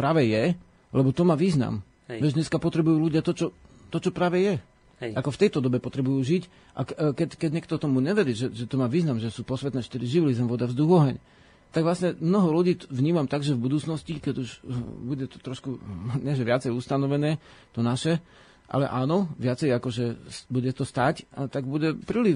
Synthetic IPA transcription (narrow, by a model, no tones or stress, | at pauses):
pɾaːʋɛjɛ | lɛbɔt̪ɔmaːʋiːzna̰m | ɛʒɲɛskapɔt̪ɾɛbujuːluɟɪat̪ɔt͡ʃɔ | t̪ɔt͡ʃɔpɾaːʋɛjɛ | akɔft̪ɛjt̪ɔd̪ɔbɛpɔt̪ɾɛbujuːʒic | ʔa̰kkɛckɛɟɲɛkt̪ɔt̪ɔmuɲɛʋɛɾiʒɛʒɛt̪ɔmaːʋiːznamʒɛsuːpɔsʋɛt̪nɛːʃt̪iɾiʒiʋlizamʋɔd̪avzd̪uɣɔɦɛɲ | t̪aɡʋlasɲɛmnɔɦɔluɟiːʋɲiːmamt̪aɡʒɛvbud̪uːt͡snɔscikɛɟuʒbuɟɛt̪ɔ̥t̪ɾɔʃkuɲɛʒɛʋɪat͡sɛjust̪anɔʋɛnɛːt̪ɔnaʃɛ | ʔa̰lɛ̰ʔaːnɔʋɪat͡sɛjakɔʒɛsbuɟɛt̪ɔst̪aːct̪aɡbuɟɛpɾili